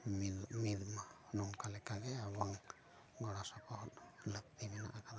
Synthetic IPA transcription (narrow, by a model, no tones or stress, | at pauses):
mid̪manuŋkalɛkaɡɛaβaŋ | ɡɔɽasapɔhɔt̪lək̚t̪imina̰ʔakad̪a